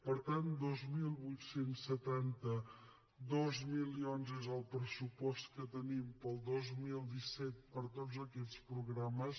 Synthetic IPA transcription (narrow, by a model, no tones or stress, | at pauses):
pəɾt̪and̪ozmilˠβujt̪sensət̪ant̪ə | ðozmilionzezəlˠpɾəsupɔst̪kət̪ənimpəlˠd̪ozmilˠd̪isɛt̪̚pəɾt̪ozəkɛtt͡spɾuɣɾaməs